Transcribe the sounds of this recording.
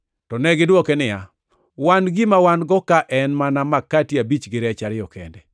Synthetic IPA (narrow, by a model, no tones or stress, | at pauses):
tɔnɛɡɪdwɔkɛnɪja | wanɡimawanɡɔkaʔɛnmanamakːatiabit͡ʃɡɪɾɛt͡ʃaɾɪɔkɛ̰ndɛ